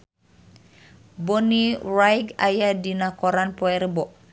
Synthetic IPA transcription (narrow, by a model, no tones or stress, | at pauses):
bɔnirajɡajadinakɔɾanpɔɛɾəbɔʔ